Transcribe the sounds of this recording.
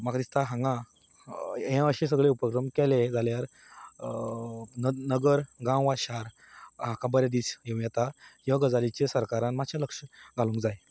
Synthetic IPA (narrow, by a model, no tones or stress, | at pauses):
makʰɾist̪aɦãŋɡã | ɦɛ̃əɕẽs̬əɡɭeupəkɾəmkɛled͡zaljaɾ | nənəɡəɾɡãwʋaɕaɾ | ɦãkabəɾjad̪iːt͡sjẽw̃jɛt̪aɦiʋaɡəd͡zalit͡ɕesəɾkaɾanmaɕʰjaləkʂəɡʱalũŋkd͡zaj